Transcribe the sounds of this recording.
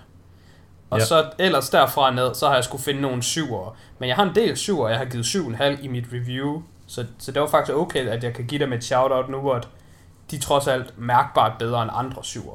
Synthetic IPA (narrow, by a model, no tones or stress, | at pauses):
ɒ̽sɒ̽el̰ɐsd̥æɐ̰fʁɑ̈neð̞ˠsɒ̽hɑ̈jɑ̈ɪsɡ̥ufe̝nəno̝ːn̩syʊ̰ɐmenjɑɪhɑ̈e̝nd̥e̝̰ːlsyʊɐjɑ̈hɑ̈ɡiːð̩ˠsyʊ̰enɦæl̰imid̥ʁiʋjuː | sɒ̽sɒ̽d̥e̝ʋɑ̈fɑ̈ɡ̥d̥isɡ̥ɔ̽ʊkʰḛæd̥jɑ̈ɪkʰæɡiɾ̥emed̥ɕɑ̈ʊɾɒd̥nuɒd̥ | d̥it͡sʰʁɒ̽sæl̰d̥mæɐɡ̥̚b̥ɑ̈ːd̥̚b̥eð̞ˠɐenɑ̈nd̥ʁɐsyʊ̰ɐ